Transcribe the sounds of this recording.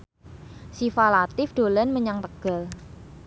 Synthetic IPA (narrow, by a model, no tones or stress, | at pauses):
sifalat̪ɪfɖ̪̥olanməɲaŋt̪əɡ̥a̤l